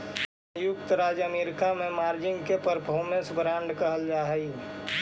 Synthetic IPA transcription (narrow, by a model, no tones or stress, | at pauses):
jʊkt̪ɾaːd͡ʒəmeːɾɪkamẽmaːɾd͡ʒɪ̃ŋɡkepəɾpʰɔːmẽsbɾãːɳɖkəɦəld͡ʒaːɦəi